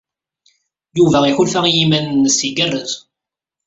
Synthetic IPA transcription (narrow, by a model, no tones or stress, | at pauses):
juvæixulfæijimænnːəsiɡərːəð